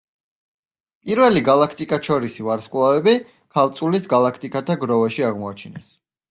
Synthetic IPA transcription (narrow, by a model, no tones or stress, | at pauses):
pʼiɾvɛliɡalˠakʰt̪ʼikʼaʃʰɔɾisivaɾskʼwlˠavɛbi | kʰalˠt̪sʼulisɡalˠakʰt̪ʼikʼat̪ʰaɡɾɔvaʃiaʁmɔat͡ʃʰinɛs